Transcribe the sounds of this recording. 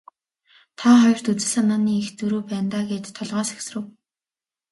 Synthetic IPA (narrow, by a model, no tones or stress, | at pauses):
t̪ʰaχɔjɞ̆r̥t̪ut͡sɘ̆ɮanaːniːxt͡sɵɾuːpæːnt̪aːɡeːt̪ʰːɔɮʁɔːsḁksrɘ̆w